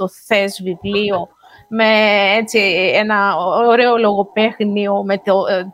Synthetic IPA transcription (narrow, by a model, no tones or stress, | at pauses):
o̞θe̞zvivlio̞ | me̞et͡sienɐoɾeolo̞ɣo̞pe̞xniomet̪o